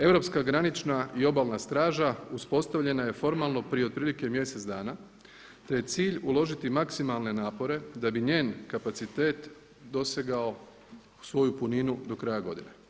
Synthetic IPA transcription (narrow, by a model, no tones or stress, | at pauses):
e̞ʋɾo̞pskaɡɾanit͡ʃnaio̞baːlˠnast̪ɾaːʒauspo̞st̪aʋʎe̞naje̞fo̞ɾmalˠno̞pɾijed̪̚pɾiːlike̞mje̞se̞t̪zd̪aːna | t̪e̞je̞t̪siːʎulˠo̞ʒit̪imaksimalˠne̞naːpo̞ɾe̞d̪abiɲeːnkapat̪sit̪e̞ːt̪ | d̪o̞seɡao̞ | sʋo̞jupuninud̪o̞kɾajaɡo̞d̪ine